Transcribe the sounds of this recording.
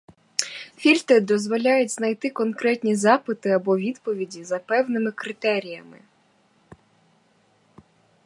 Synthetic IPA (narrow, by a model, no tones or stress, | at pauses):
fʲilʲt̪ed̪ɔzʋɔlʲɑjʊtʲznɐjt̪ɪkɔnkɾɛtʲnʲizɑpɪt̪ɪɐbɔʋʲid̪pɔʋʲidʲizɐpɛwnɪmɪkɾɪt̪ɛɾʲijɐmɪ̰